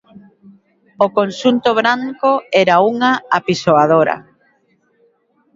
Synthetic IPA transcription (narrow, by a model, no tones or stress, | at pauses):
okonʃunt̪oβɾaŋkoɛɾauŋaapisoaðoɾɐ̰